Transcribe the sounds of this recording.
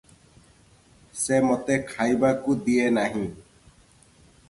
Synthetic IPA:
semɔt̪ekʰajbakud̪ienaɦĩ

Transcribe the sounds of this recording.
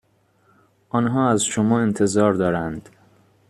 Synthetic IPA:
ʔɒːnɦɒːæzʃomɒːent̪ʰe̞zɒːɾd̪ɒːɾænd̪̥

